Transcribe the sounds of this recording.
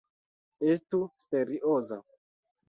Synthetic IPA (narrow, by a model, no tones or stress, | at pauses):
estusteɾiʔoza